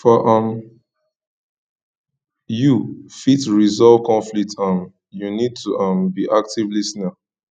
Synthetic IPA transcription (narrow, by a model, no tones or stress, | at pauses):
fɔʔãm | jufitɹizɔv̥kɔ̃ɱflik̚tãn | junid̚tʰuʔãmbiʔak̚tivlisna